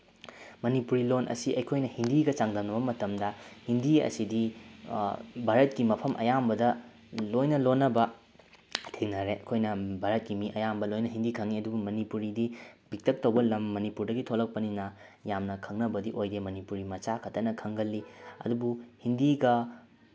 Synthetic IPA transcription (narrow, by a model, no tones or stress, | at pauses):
mɐnipuɾilonʔɐ̰siɐjkʰojnɐhindiɡɐt͡ʃaŋdɐwnɐbɐmɐtɐmdɐhindiɐ̰sidi | bʱaɾɐt̚kimɐpʰɐmʔɐ̰jambɐdɐ | lojnɐlonːɐbɐ | tʰeŋnɐɾeɐkʰojnɐbʱaɾɐt̚kimiʔɐjambɐlojnɐɦindikʰɐŋiɐdubumɐnipuɾidibik̚tʰɐk̚tɐwbɐlɐmːɐnipuɾdɐɡitʰolɐk̚pɐninɐ | jamnɐkʰɐŋnɐbɐdiʔojdemɐnipuɾimɐt͡ʃakʰɐtːɐnɐkʰɐŋɡɐlːiɐ̰dubuhindiɡɐ